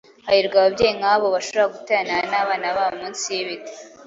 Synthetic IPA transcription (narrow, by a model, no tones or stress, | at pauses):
hajiɾɡaβabɟeːjiŋaːβoβaʃo̞βoɾaɡutenanaβaːnaβaβomuːnsijeβite̥